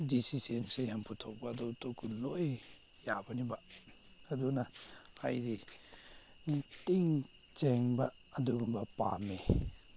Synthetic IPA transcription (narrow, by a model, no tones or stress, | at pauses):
disisensejampʰutʰɔk̚baːdɔwtokunoj | jabɐniba | ɐdunaa̰jɾi | ntiŋ | t͡ʃeŋbɐː | duɡumbɐpa̰me